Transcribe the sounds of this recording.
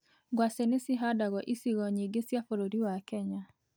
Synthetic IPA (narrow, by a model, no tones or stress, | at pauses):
ɡwasenesiɦadaɣɔʔisiɣɔɲiɡesjafoɾoɾiwakɛɲa